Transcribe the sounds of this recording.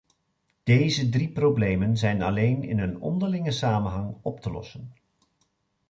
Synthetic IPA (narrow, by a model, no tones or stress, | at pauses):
d̥ejzədriprowblejmənzɛjnɑ̰lejnɪ̰nənɔ̰ndəɹlɪŋəsaːmənɦɑŋɔptəlɔ̰sən